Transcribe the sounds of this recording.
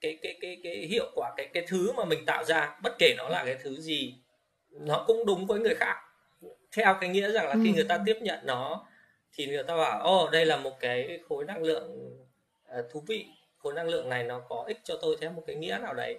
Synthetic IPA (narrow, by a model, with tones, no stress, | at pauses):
kaː˨˦jkaː˨˦jkaː˨˦jkaː˨˦jhḭ˧˨əwkwaː˧˩kaː˨˦jkaː˨˦jt̪ʰɨ˨˦maː˨˩mï˨˩ŋ̟t̪a̰ː˧˨wzaː˧ɓə˦˥t̚ke˧˩nɔ˨˦laː˨˩kaː˨˦jt̪ʰɨ˨˦zi˨˩ | nɔ˨˦kʊ̰˧˥ŋ͡mɗʊ˨˦ŋ͡mvəː˨˦jŋɨ˨˩əjxaː˦˥k̚ | t̪ʰɛ˧wkaː˨˦jŋḭ˧˥əza˨˩ŋlaː˨˩xi˧ŋɨ˨˩əjt̪aː˧t̪i˦˥əp̚ɲə̰˧˨nːɔ˨˦ | t̪ʰi˨˩ŋɨ˨˩əjt̪aː˧ɓaː˧˩wʔə˨˩ɗə˧jlaː˨˩mo˨˩t̚kaː˨˦jxo˨˦jna˧ŋlɨ̰˧˨əŋ | ʔəː˨˩t̪ʰu˨˦vḭ˧˨ | xo˨˦jna˧ŋlɨ̰˧˨əŋna˨˩jnɔ˨˦kɔ˨˦ʔï˦˥k̟̚t͡ɕɔ˧t̪o˧jt̪ʰɛ˧wmo˨˩t̚kaː˨˦jŋḭ˧˥ənaː˨˩wɗə̰˨˦j